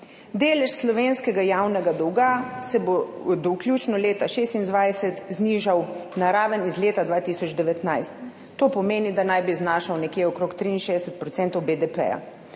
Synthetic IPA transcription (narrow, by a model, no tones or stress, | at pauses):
d̪eːlɛʃslɔʋeːnskɛɡajawnɛɡad̪ɔwɡasɛbo | d̪ɔwklʲjuːt͡ʃnɔleːt̪aʃeːst̪ind̪ʋajsɛt̪zniːʒawnaɾaːʋənizleːt̪ad̪ʋaːt̪isɔd͡ʒd̪ɛʋɛt̪najst̪ː | oːpɔmeːnid̪anajbiznaːʃawnɛkjeːɔkɾoːkt̪ɾiinʃeːd̪ɛsɛt̪̚pɾɔtsɛnt̪ɔwbed̪ɛpɛ̰ja̰